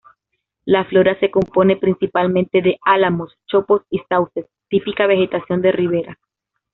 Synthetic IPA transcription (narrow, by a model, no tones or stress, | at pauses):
laflo̞ɾase̞ko̞mpo̞ne̞pɾinsipalmẽ̞nt̪e̞ðe̞ʔalamo̞st͡ʃo̞po̞sisawse̞st̪ipikaβe̞xe̞t̪asjo̞nd̪e̞riβ̞e̞ɾa